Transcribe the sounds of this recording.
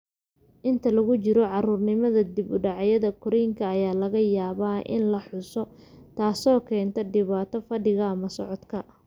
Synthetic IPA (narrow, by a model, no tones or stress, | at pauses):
ʔɪnt̪ʰɐlɐɣʊt͡ʃɪɾɔʕɑruːrnɪmɐðɐd̪ɪbʊɖɑʕɑjɐðɐkʰʊɾɛjŋkʰɐːjaːlɐɣɐjaːβaːʔɪ̰nlɐħʊsɔ | t̪ʰaːsɔːkʰɛːnt̪ʰɔɖɪβaːt̪ʰɔfɐɖɪɣɐɐmɐsɔʕɔd̪kʰɐ